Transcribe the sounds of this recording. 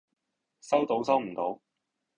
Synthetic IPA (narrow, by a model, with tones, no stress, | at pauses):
sɐ˥wt̪o˨˥wsɐ˥wm̩˨˩t̪o˨˥w